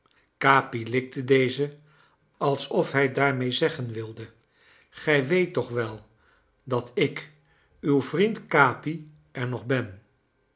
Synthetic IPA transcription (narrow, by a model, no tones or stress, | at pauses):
kaːpilɪk̚tədejzə | ɑlˠsɔfɦɛjdaːɹmejzɛχənʋɪlˠdə | χɛjʋejtːɔχʋɛlˠ | dɑtɪk | ywvrintkaːpi | ɛɹnɔχbɛn